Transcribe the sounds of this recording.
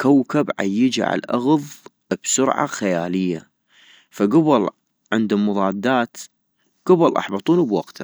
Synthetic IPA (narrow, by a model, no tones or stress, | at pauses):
kawkabʕa̰jːəd͡ʒa̰ʕa̰lʔaɣðˤ | b̥sʊɾʕa̰xajaːlɪjːa | faɡʊbɨl | ʕɪnd̪mːʊðˤɑːd̪ːaːt̪ | ɡ̥ʊbɨlʔɑ̰ħbɑt̪ˤuːnbwaɡt̪